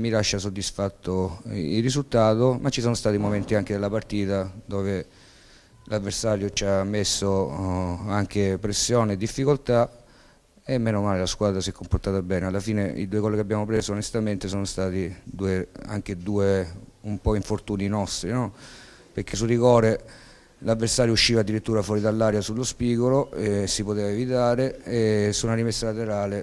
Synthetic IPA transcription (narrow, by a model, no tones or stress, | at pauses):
milaʃːasod̪ːisfat̪ʰːoirːizult̪aːt̪omat͡ʃːisoːnost̪aːt̪imoment̪iaŋked̪elːapart̪iːt̪ad̪oːve | lavːersaːɾjot͡ʃamːesːo | aŋk̟epɾesːjoːned̪ːifːikolt̪a | emːeːnomaːlelaskwaːd̪ɾasiɛkʰːomport̪aːt̪abɛːnealːafiːneḭd̪uːekɔlːekeabːjaːmop̬ɾeːzoːnest̪ament̪esɔːnost̪aːt̪id̪uːea̰ŋk̟ed̪uːeumpɔiɱfort̪uːninɔst̪ɾinɔ | perk̟es̬urikɔːɾe | lavːersaːɾjouʃːiːvad̪ːiɾit̪ːuːɾafwɔːɾid̪alːaːɾjasulːospiːkoloɛsipot̪eːvaevit̪aːɾeesːunaɾimesːalat̪eɾaːle